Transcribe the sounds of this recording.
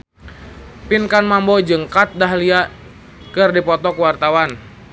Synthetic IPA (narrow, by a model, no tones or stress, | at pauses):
pinkanmambɔd͡ʒɨŋkat̪̚daɦlia | kɨrdipɔt̪ɔkuwart̪awan